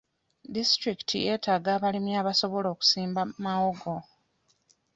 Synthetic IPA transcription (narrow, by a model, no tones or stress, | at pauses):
distɾiki̥tʰḭje̞ːtaːɡaːβalimjaːβaso̞βo̞lo̞ːku̥siːmbamawoɡo